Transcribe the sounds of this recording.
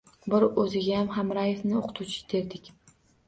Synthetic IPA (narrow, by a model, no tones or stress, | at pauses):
bɪɾɵzɪɡʲajamɦamɾajefnɪoqʰɨ̥t̪ʰut͡ʃʰɪ̥d̪ʰe̞ɾd̪ɪkʲ